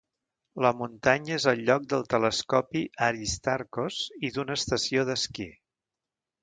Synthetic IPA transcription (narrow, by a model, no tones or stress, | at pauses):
ləmunt̪aɲəezəlˠʎɔk̚d̪əlˠt̪ələskɔpiʔəɾist̪aɾkoz̥iðunəːst̪əsioðəski